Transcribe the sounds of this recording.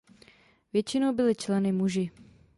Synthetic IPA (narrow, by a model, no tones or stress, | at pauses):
vjɛt͡ʃɪnowbɪlɪt͡ʃlɛnɪmuʒɪ